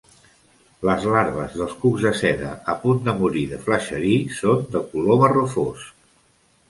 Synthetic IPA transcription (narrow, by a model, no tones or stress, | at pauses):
ləzlaɾβəzðəlˠskuɡzðəsɛðə̰ːpund̪əmuɾiðəfləʃəɾisond̪əkuloβərufos